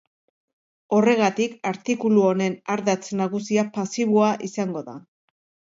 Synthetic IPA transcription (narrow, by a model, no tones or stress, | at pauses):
o̞re̞ɣ̞at̪ikaɾt̪ikuluone̞naɾðat͡snaɣ̞usiapasiβoaʔisaŋɡo̞ða̰